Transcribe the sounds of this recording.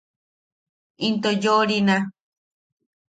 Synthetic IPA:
int̪ojoɾinã

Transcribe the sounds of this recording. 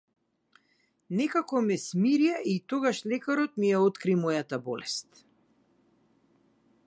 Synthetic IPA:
nɛkakɔmɛsmiɾijaʔit̪ɔɡaʃlɛkaɾɔt̪mijaɔt̪kɾimɔjat̪abɔlɛst̪

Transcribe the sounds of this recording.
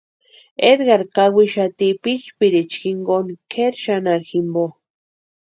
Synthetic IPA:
eɾɡaɾkawiʃat̪ipit͡ʃpiɾit͡ʃkiŋɡonkʰeɾʃanaɾximbo

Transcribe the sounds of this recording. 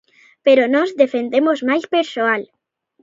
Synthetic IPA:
peɾonozðefend̪emozmajspeɾsoal

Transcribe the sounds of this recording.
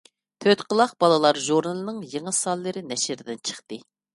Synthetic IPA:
t̪ʰøt̪qəlˠɑqb̥ɑlˠɨlˠɑɾʒuɾnɨlˠɨnɨŋjeŋəsɑlˠːɨɾɪnɛʃɪɾd̪ɪnt͡ʃʰə̥χt̪ɨ

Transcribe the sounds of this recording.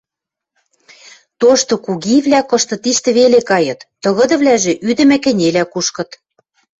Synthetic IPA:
t̪oʃt̪ŏkuɣiβlækɤ̆ʃt̪ɤ̆t̪iʃt̪ĕβelekɑjɤ̆t̪ːɤ̆ɣɤ̆d̪ɤ̆βlæʒĕʔyd̪ɘ̆mækɘ̆nʲelækuʃkɤ̆t̪

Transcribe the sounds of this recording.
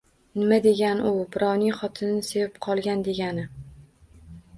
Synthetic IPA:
nɪmad̪e̞ɡʲanʊbɪɾɒwnɪŋχɒt̪ʰɪnnɪse̞vɪpqʰɒlˠɡʲand̪e̞ɡʲanɪ

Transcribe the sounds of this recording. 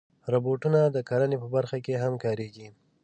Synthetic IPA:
ɾaboʈunad̪əkaɾanepəbaɾxakeɦamkɑɾeɡi

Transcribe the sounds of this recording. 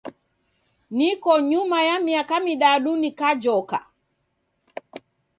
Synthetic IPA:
nikɔɲumajamiakamiɗaɗunikad͡ʒɔka̰

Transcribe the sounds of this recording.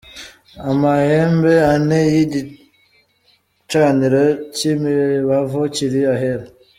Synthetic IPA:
amaheːmbeanejiɟi | t͡ʃaniɾocimiβavociɾiaɦeɾa

